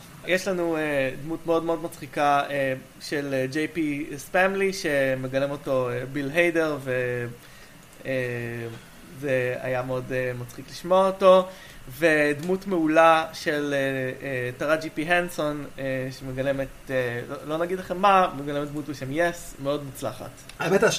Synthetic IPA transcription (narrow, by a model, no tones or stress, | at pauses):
jeʃlanued̪mutmeo̞dme̞o̞dmat͡sχikae | ʃeld͡ʒejpispemliʃe̞me̞ɡalemo̞to̞ebilɦejdeʁve | e | zea̰jameo̞demat͡sχikliʃmoaoto̞ | ve̞dmutmeulaʃe̞leetaʁad͡ʒipiɦenso̞neʃemeɡalemeteolo̞naɡidlaχe̞mːameɡalemetd̪mutbeʃe̞mjesme̞o̞dmut͡slaχa̰t | meta